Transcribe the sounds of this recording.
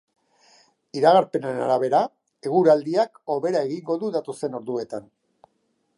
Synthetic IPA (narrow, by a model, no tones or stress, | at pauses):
iɾaɣaɾpe̞naɾena̰ɾaβ̞e̞ɾa | e̞ɣ̞uɾald̪iako̞βe̞ɾae̞ɣiŋɡo̞ðuðat̪o̞se̞no̞ɾðue̞t̪an